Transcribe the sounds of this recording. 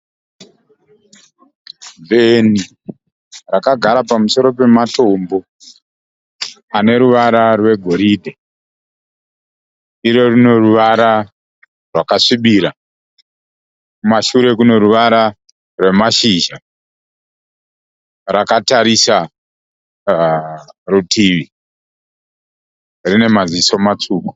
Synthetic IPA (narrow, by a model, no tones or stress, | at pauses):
vʱe̞ni | rakaɡʱaɾapamuso̞ɾo̞pe̞mato̞mbo̞ | ane̞ɾuʋaɾarwe̞ɡʱo̞ɾiːdʱe | iɾo̞rino̞ruʋaɾa | rwakaʂiɓiːɾa | kumaʃuɾe̞k̬uno̞ɾuʋaɾa | rwe̞maʃiʒa | rakataɾisa | rutʰiʋi | rine̞maziso̞mat͡ʂuːku̥